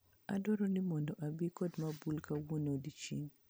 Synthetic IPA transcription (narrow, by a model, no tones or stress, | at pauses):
a̰dɔɾɔnɪmɔndɔʔabikɔdmabulkawonodit͡ʃḭŋ